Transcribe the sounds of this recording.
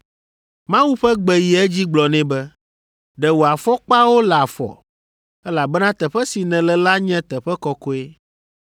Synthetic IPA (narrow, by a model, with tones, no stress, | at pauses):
mã˦wu˦ɸɛ˦ɡ͡bɛ˨ji˨ɛ˦d͡ʑi˦ɡ͡blɔ˨nɛ̃˦bɛ˦ | ɖɛ˨wo˨a˨fɔ˦k͡pa˦wo˦la˨fɔ̰˨ | ɛ˦la˨bɛ˦nã˦t̪ɛ˨ɸɛ˦si˨nɛ̃˨lɛ˨la˦ɲɛ̃˦t̪ɛ˨ɸɛ˦kɔ˦ko˦e˦